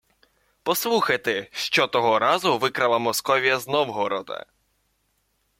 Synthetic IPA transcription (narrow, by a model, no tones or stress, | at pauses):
pɔslˠuxɐjt̪eʃt͡ʃɔt̪ɔɦɔɾɑzʊʋɪkɾɐlˠɐmɔskɔʋʲijɐznɔwɦɔɾɔd̪ɐ̰